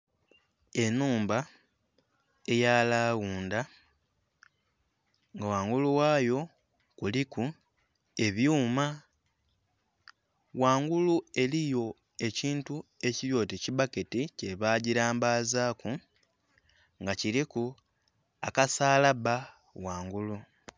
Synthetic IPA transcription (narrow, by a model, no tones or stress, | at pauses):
e̞nuːmba | e̞jaːlaːwuːnda | ŋɡawaːŋɡuluwaːjo̞ | kuliku | e̞βjuːma | waːŋɡulue̞lijo̞ | e̞ciːntue̞ciɾjo̞ːteciβaketice̞βaːɟiɾaːmbaːzaːku | ŋɡaciɾiku | akasaːlaβa | waːŋɡulu